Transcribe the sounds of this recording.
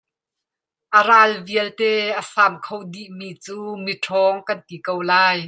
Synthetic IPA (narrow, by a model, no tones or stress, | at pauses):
ʔəraːlviəlt̪ɛːʔəsaːmkʰowd̪iʔmiːt͡suːmiʈʰɔːŋkɐnt̪ikowlaːj